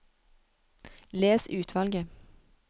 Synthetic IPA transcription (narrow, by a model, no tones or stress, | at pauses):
leːsʉːt̪ʰʋɑlɡə